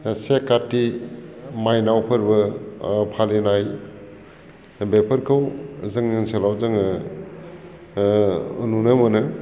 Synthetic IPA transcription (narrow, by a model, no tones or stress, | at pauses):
sekatːi | majnawpʰɯɾbɯpʰalinaj | bepʰɯɾkʰɯwzɯŋnɯŋselawzɯŋɯ | ununɯmɯnɯ